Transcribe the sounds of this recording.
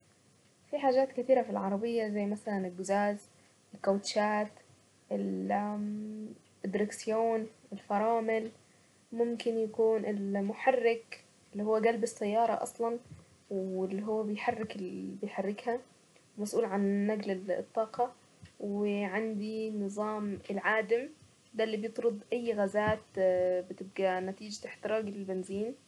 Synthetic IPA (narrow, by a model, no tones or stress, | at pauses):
fiħaːʒaːt̪kɪt̪iːɾafilʕɑɾˤɑbɪjːazajːmaθalanɪlɡʊzaːz | ɪlkowt̪ʃaːt̪ | ʔɪl | d̪ɾɪksjoːnɪlfɑɾˤɑːmɪl | mʊmkɪnjakuːnʔɪlmʊħarːɪk | ɪlːiːhuwːaɡalbɪsːajːɑːɾˤɑ̰ʔɑ̰sˤlɑn | wɪlːiɦʊwːabɪjħarːɪkɪbɪjħarːɪkha | wmasʔuːlʕanːaɡlɪ̰t̪ˤːɑːqɑ | wɪʕand̪inɨzˤɑːmɪlʕaːd̪ɪm | d̪alːiːbjɪt̪ˤɾʊd̪ˤʔajːɣazaːt̪bɪt̪ɪb̚ɡanat̪iːd͡ʒt̪aħt̪ɪɾˤɑːɡlɪlbɪnziːn